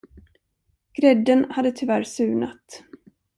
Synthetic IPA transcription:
ɡ̥ɾɛd̪ːənhad̪ːət̪ʰʏvæɾsʉ̟ːna̰t̪

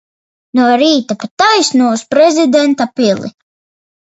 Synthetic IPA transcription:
nuɔɾiːt̪apat̪ajsnuɔuspɾɛzid̪ɛnt̪apilˠḭ

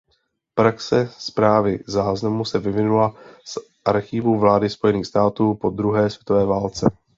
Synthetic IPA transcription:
pɾaksɛspɾaːvɪzaːznamusɛvɪvɪnulas | ʔaɾxɪvuvlaːdɪspo̞jɛniːxst̪aːt̪uːpo̞d̪ɾuɦɛːsvjɛt̪o̞vɛːvaːlt͡sɛ

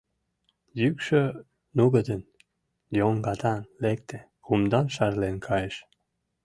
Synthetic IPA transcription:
jykʃø | nuɡəd̪ən | joŋɡɑt̪ɑnlek̚t̪e | kumd̪ɑnʃɑrlenkʰɑjeʃ

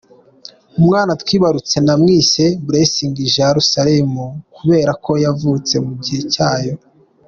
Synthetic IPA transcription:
umŋaːnat̪wiːβaɾut͡se̞namŋiːse̞buɾesiːŋɡiʒeaɾusaɾemukuβe̞ːɾakʰo̞javuːt͡se̞muɟihe̞caːjo̞

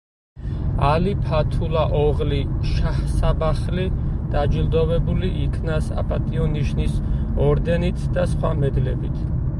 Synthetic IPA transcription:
alipʰat̪ʰulaʔɔʁliʃahsabaχlid̪̥ad͡ʒilˠd̪ɔvɛbuliʔikʰnasa̰pʼat̪ʼiɔniʃnis | ɔɾd̪ɛnit̪ʰd̪asχwa̰mɛd̪lɛbit̪ʰ

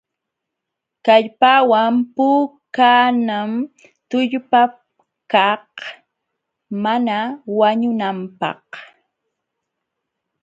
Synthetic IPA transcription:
kaʎpawampʊkaːnam | t̪ʊʎpa | kah | manawaɲʊnampɑ̰h

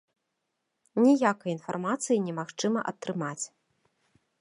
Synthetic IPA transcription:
nʲijakɐjinfarmat̪sɨjinʲɛmaxt͡ʂɨmɐ̰ʔɐt̪ːɾɨmat͡sʲ

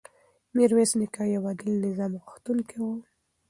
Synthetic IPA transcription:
miɾwesnɪkajawɑd̪ɪlnɪzɑmɣʊxt̪uŋkʰewu

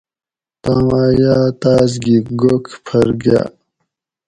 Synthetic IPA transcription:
t̪aːmaːjaːt̪aːz̬ɡiɡokʰpʰɐɾɡa̰

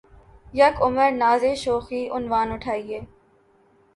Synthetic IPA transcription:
jɐkʊməɾnaːzeːʃoːxiːʔʊnʋaːnʊʈʰaːieː

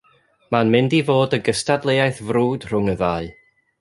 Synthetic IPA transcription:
manmɪndivoːdəɡəstadlˠejajθvruːd̥r̥ʊŋəðaːɨ

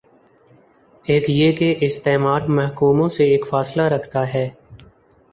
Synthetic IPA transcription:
eːkjeːkeʔɪst̪eːmaːɾmɛɦkuːmõseeːkfaːslaɾɐkʰt̪aɦɛː

